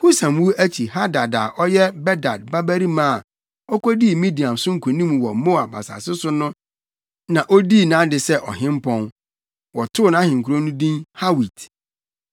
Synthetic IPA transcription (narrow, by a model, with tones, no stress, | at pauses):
hu˦sã˨m˦wu˦æ˦t͡ɕʰi˨ɦa˦da˨da˨ʔɔ˦jɛ˦bɛ˦da˨d̚ba˦bæ˦ɾi˦mã˦˨ | ɔ˦kʰɔ˦di˦˨mĩ˦di˨ã˨msʊ̃˦ŋ̩˨kʰu˨nĩ˦m˨wɔ˨mõ˦˨a˨ba̰˨sa̰˨sɪ˦sʊ˦nʊ̃˦ | nã˨ʔo˦di˦˨nãː˨˦dɪ˨sɛ˦ʔɔ˨ɦɪ̃˦m˦pʰɔ̃˦n | wɔ˨tʰʊ˦˨nã˦hɪ̃˨ŋ̩˨kʰu˨ɾõ˦nʊ̃˦dĩ˦nha˦wi˨t